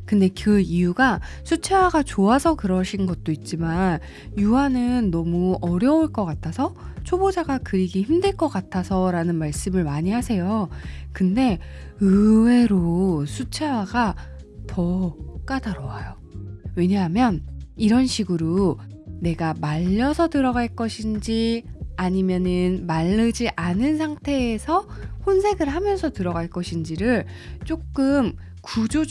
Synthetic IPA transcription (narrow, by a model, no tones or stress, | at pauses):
kɯnde̞kɯijuɡa | sʰut͡ɕʰe̞waɡat͡ɕoasʰʌkɯɾʌɕʰinɡʌt̚t͈oit̚t͡ɕ͈iman | juwanɯnːʌmuʌɾjʌuɭk͈ʌk͈atʰasʰʌ | t͡ɕʰobod͡ʑaɡakɯɾiɡiçimdɯɭk͈ʌk͈atʰasʰʌɾanɯnmaɭs͈ɯmɯɭmaɲiɦasʰe̞jokɯnde̞ | ɯwe̞ɾosʰut͡ɕʰewaɡatʌk͈adaɾʌwajo | we̞ɲaɦamjʌniɾʌnɕʰiɡɯɾoː | e̞ɡamaʎːʌsʰʌtɯɾʌɡaɭk͈ʌɕʰind͡ʑiaɲimjʌnɯnmaɭːɯd͡ʑiʔanɯnsʰaŋtʰe̞ːsʰʌhonsʰe̞ɡɯɭɦamjʌnsʰʌtɯɾʌɡaɭk͈ʌɕʰind͡ʑiɾɯɭ | t͡ɕ͈ok͈ɯm | kud͡ʑo